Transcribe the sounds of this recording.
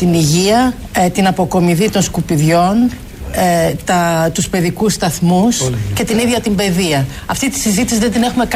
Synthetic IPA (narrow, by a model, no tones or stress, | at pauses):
t̪iniʝiɐ | t̪inɐpo̞ko̞miðit̪o̞nskupiðʝo̞n | t̪ɐt̪uspe̞ðikusst̪ɐθmusce̞t̪iniðʝɐt̪imbe̞ðiɐ | ɐft̪it̪i̥sizit̪isizðed̪ine̞xume̞k